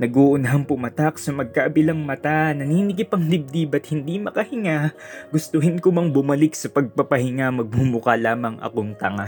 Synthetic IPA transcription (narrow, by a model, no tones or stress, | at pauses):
nɐɡoʔʊnɐɦaŋpʊmɐt̪ak̚sɐmɐɡ̚kaʔɐbɪlɐŋmɐt̪anɐniːnɪkɪpɐŋlɪb̚d̪ibɐt̪̚hɪnd̪imɐkɐhɪŋa | ɡʊst̪ʊɦɪnkʊmɐŋbʊmɐlɪk̚sɐpɐɡ̚pɐpɐhɪŋamɐɡ̚mumʊkalaːmɐŋʔɐ̰koŋt̪ɐŋa